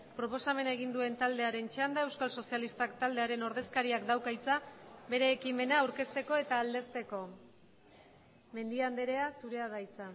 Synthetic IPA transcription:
pɾo̞po̞same̞naeɣ̞ind̪ue̞nt̪ald̪e̞aɾe̞nt͡ʃand̪aewskalso̞sialist̪akt̪ald̪e̞aɾe̞no̞ɾðe̞skaɾiakd̪awkajt͡sabe̞ɾe̞ːkime̞naːwɾke̞st̪e̞ko̞e̞t̪aːld̪e̞st̪e̞ko̞ | me̞nd̪iand̪e̞ɾe̞asuɾe̞aðajt͡sa

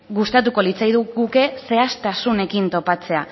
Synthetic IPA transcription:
ɣust̪at̪uko̞lit͡sajðuɣuke̞se̞ast̪asune̞kint̪o̞pat͡se̞a

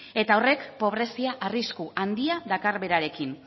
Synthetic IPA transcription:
e̞t̪aore̞kpo̞β̞ɾe̞siaʔariskuand̪iaðakaɾβe̞ɾaɾe̞kin

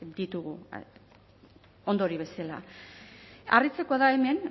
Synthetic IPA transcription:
d̪it̪uɣu | o̞nd̪o̞ɾiβ̞e̞sala̰ | a̰rit͡sekoaðaeme̞n

